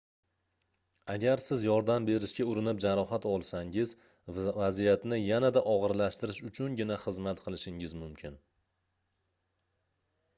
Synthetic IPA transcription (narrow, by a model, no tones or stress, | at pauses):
aɡʲaɾsɪzjɒɾd̪ambe̞ɾɪʃɡʲaʊɾɪnɪp̚d͡ʒaɾɒɦat̪ɒlˠsaŋɪz | vazijat̪nɪjanad̪aʔɒʁɨɾlaʃt̪ɪɾɪʃʊt͡ʃʰʊnɡʲɪnaχɨzmat̪qʰɨlˠɪʃɪŋɪzmʊmkʲʰɪn